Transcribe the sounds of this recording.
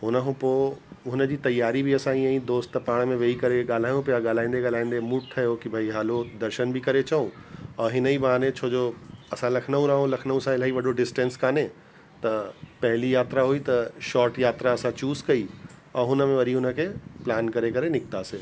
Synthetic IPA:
ɦʊnəɦũpoːɦʊnə̆d͡ʑiːt̪ɐjːaːɾibʱɪɐsãiə̃ĩd̪oːsʈt̪paːɽ̃mẽʋeːikɐɾeɠaːl̤aːjũpɪjaɠaːl̤aːĩːn̆d̪eɠaːl̤aːĩːn̆d̪emʊʈ̚t̪ʰɐjokibʱaiɦaːlod̪ɐɾʃənbʱɪkɐɾet͡ɕɐũɐ̃ːɦɪnəibaːnẽt͡ɕʰoːd͡ʑoɐsãlɐkʰnəũɾaːɦũlɐkʰnəũsãɪlaːiʋɐɖʱoɖɪsʈẽːnskaːne | t̪ɐpɐɦɪlijaːt̪ɾaɦuit̪ɐʃɔːɾʈjaːt̪ɾaɐsãt͡ɕuːzkɐi | ɐ̃ːɦʊnə̆mẽʋɐɾiɦʊnəkʰeːplaːnkɐɾekɐɾenɪk̚t̪aːseː

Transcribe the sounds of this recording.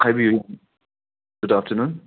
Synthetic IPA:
aɪbiju | ɡ̥ʊdaftʰənũːn

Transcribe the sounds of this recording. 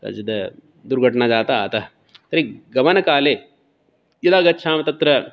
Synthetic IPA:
kɐ̰d͡ʒɐd̪ɐ | d̪uɾɡʱɐʈɳad͡ʒaːt̪ɐa̰ːt̪ɐ | t̪ɐɾiɡɐmɐnɐkaːleː | jɐd̪aːɡɐtːʃʰaːmɐt̪ɐt̪ɾɐ

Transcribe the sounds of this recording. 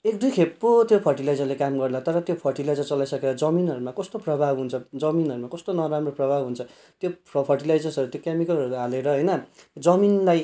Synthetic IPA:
ek̚d̪ʱukʰepːot̪jopʰʌrʈilajd͡zʌrlekamɡʌrlat̪ʌɾʌt̪jopʰʌrʈilajd͡zʌrt͡sʌlajsʌkeɾʌd͡zʌminɦʌɾumakʌst̪oprʌbʱabɦunt͡sʰʌd͡zʌminʌɾumakʌst̪onʌɾamroprʌbʱabɦunt͡sʰʌ | t̪jopʰpʰʌrʈilajd͡zʌrsʌɾut̪jokemikʌlʌɾuɦaleɾʌɦʌjnʌd͡zʌminlaj

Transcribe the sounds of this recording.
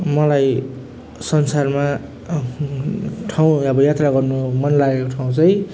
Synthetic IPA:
mʌlaj | sʌnsarma | ʈʰaw̃ʌbʌjat̪raɡʌrnumʌnlaɡekoʈʰaw̃t͡sʌj

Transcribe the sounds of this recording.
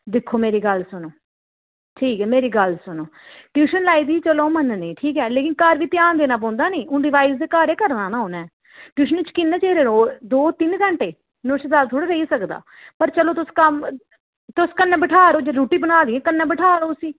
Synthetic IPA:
d̪ɪkʰːoːmeːɾiːɡəlsʊnoː | ʈʰiːkɛːmeːɾiːɡəlsʊnoːʈjuːʃənlaːiːd̪iːt͡ʃəloːmənnĩːʈʰiːkɛːleːkɪnkaːɾʋiːt̪ɪjaːnd̪eːnaːp̬ɔ̃ːnd̪aːnĩːʊ̃ɖɪʋaːisd̪eːkaːɾeːkəɾnaːnaːonɛ̃ː | ʈjuːʃənt͡ʃkɪnːɛ̃ːt͡ʃeːɾeːɾoːd̪oːt̪ɪnkəɳʈeː | nʊʃd̪aːt̪ʰoːɽaːɾəiːsəkd̪a̰ː | pəɾt͡ʃəloːt̪ʊskəm | t̪ʊskənːɛːbəʈʰaːɾoːd͡ʒeɾuːʈiːbənaːd̪iːɛ̃ːkənːɛ̃ːbəʈʰaːɾoːsiː

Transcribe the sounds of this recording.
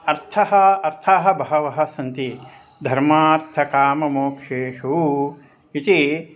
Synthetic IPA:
ɐɾt̪ʰɐɦɐɐɾt̪ʰaɦɐ̆bɐɦɐʋɐɦɐ̆sɐnt̪i | d̪ʱɐɾmaːɾt̪ʰɐkaːmɐmoːkʰʃeːʃu | it̪i

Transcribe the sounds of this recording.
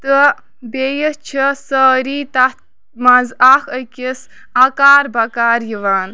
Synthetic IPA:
t̪ɨ | bejət͡ʃʰisəːɾiːt̪at̪ | mɐzaxəkʲis | ɐkaːɾbɐkaːɾjiʋaːn

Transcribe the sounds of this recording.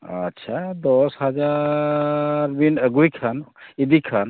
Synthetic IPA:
ə̰tːʃʰad̪ɔsɦəd͡ʒa | ɾbinəɡujkʰanid̪ikʰən

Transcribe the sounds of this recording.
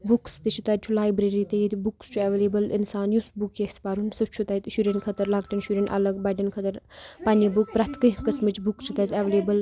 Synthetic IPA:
bukst̪it͡ʃʰut̪ɐt̪̚t͡ʃʰulaːjbɾeɾit̪ɐjet̪bukst͡ʃʰuɐʋeleːbəlinsaːnjusbukjespaɾunsɨt͡ʃʰut̪ɐjt̪ʃuɾʲenkʰɐt̪ɐɾlɐɡʈɐnʃuɾʲenʔɐ̰ləɡbɐɖɐnkʰɐt̪ɐɾpɐnibuk̚pɾɐt̪ʰkɨkɐsmɨt͡ʃbukt͡ʃʰut̪ɐjt̪ɐʋleːbɐl

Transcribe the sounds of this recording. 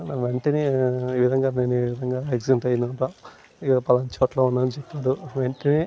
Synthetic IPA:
ʋeɳʈɐniiːʋid̪ʱɐŋɡaːneːnuiːʋid̪ʱɐŋɡaːeɡzeɳʈɐjind̪iɐnta | ikɐpɐlɐnt͡ʃoːʈloːunːaːnit͡ʃepːaːd̪uʋeɳʈɐni

